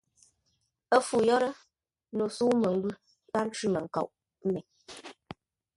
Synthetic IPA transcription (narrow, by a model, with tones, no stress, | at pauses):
ə˦fu˨jɔ˦ɾə˦ | no˨suː˦mə˨ŋ̩˦ɡʉ˦ | ba˦n̩˦t͡ʃʉ˦mə˨ŋ̩˨ka̰˨ʔ | m̩˦mɛ˨